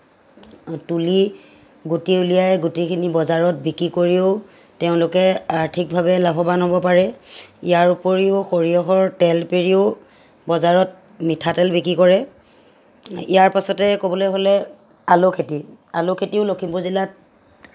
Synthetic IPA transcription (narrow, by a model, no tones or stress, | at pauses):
tuli | ɡutiulijajɡutikʰinibɔzaɹɔt̚bikɹikoɹiʊ | teʊ̃lʊkɛaɹtʰik̚bʱabɛlabʱɔbanɦobɔpaɹɛijaɹupoɹiʊxoɹiɔxɔɹtɛlpeɹiʊ | bɔzaɹɔt̚ | mitʰatɛlbikɹikɔɹɛ | ijaɹpasɔtɛkobɔlojɦolɛ | alokʰetialokʰetiʊlokʰimpuɹzilat̚